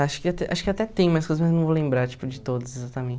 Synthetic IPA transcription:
aʃʊ̥kɪat̪ɛʔa̰ʃʊ̥kɪat̪ɛt̪ẽj̃majɐskojzɐzmajznɐ̃w̃volẽmbɾaɾt͡ʃi̥pʊd͡ʒɪt̪od̪ʊsezat̪ɐmẽn

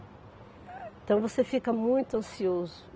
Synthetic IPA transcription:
ẽnt̪ɐ̃w̃vosefikɐmũj̃t̪uɐ̃siozʊ

